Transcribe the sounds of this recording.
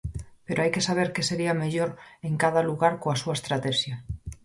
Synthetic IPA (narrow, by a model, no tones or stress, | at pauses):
peɾoajke̞saβ̞eɾke̞se̞ɾiameʎoɾeŋkaðaluɣaɾkoasuaest̪ɾat̪eʃja